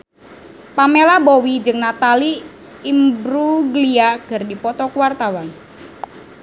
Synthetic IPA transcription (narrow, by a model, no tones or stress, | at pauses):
pamelabowid͡ʒɨŋnat̪aliː | mbɾuɡliaɡ̥ə̤rdipɔt̪ɔkuwart̪awan